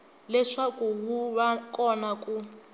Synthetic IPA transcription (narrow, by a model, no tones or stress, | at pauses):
lɛʂakuɦuβakʼɔnaku